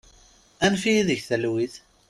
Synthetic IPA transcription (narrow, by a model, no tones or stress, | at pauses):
ænfijiðəçθælwiθ